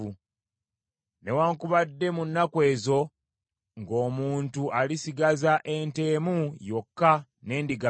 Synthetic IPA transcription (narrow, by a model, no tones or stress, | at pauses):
u | ne̞waːŋkuβadːe̞munːakwe̞ːzo̞ | ŋɡo̞ːmuːntuʔalisiɡazaʔe̞nte̞ːmujo̞kːa | ne̞ːndiɡa